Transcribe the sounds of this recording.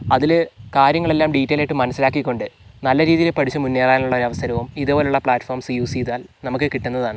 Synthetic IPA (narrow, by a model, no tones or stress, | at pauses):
ɐðilkaːɾjɐŋːɐɭe̞lːaːmɖiːtːejlaːjʈːɨmɐnɐsːilaːkːikʲːo̞ɳɖɨnɐlːɐɾiːðijilepɐʈʰit͡ɕːumunːeːraːjinuɭːɐoɾɐʋɐsɐɾɐʋumiðɨpoːleuɭːɐpɭaːtːformsijuːsiːðaːlnɐmukːɨkiʈːunːɐðaːɳɨ